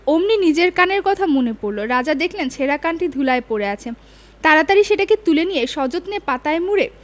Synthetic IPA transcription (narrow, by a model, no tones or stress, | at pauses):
omninid͡ʑeɾkaneɾkɔt̪ʰamonepoɾloɾad͡ʑad̪ekʰlent͡ɕʰeɾakanʈid̪ʱulaepoɾeat͡ɕʰe | t̪aɾat̪aɾiʃeʈaket̪ulenijeʃɔd͡ʑot̪nepat̪aemuɾe